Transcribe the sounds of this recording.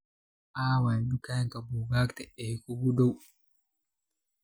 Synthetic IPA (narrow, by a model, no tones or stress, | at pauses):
ʔaːwandukajŋkabuɡaːktɛɛkuɡudow